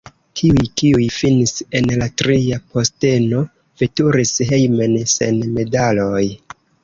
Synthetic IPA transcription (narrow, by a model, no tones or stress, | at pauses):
tʰiujkiujfinise̞nlatɾiapo̞ste̞no̞ | v̥etuɾisɦe̞jme̞nse̞̰nme̞daloj